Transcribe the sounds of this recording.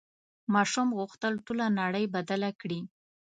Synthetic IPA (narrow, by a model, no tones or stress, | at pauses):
mɑʃumɣʊxt̪əlʈulanaɽəjbad̪alakɽi